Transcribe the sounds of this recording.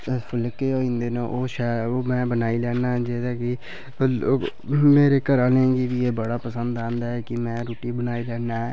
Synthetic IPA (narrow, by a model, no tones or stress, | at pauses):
pʰəlkeːoːĩːnd̪eːnãːʔoːʃɛːoːmɛ̃ːbənaːiːlɛːnaɦɛd͡ʒeːd̪aːkɪ | meːɾeːkəɾaːleɡiʋiːeːbəɽaːpəsənd̪aːnd̪ɦɛːkɪmɛ̃ːɾoːʈiːbənaːiːlɛːnaɦɛː